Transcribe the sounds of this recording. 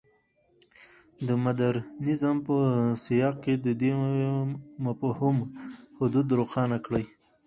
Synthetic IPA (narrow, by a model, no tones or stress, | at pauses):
d̪əmad̪aɾnɪzampəsijɑqked̪əd̪e | mapəhʊmhʊd̪ud̪ɾoxɑnakɽəj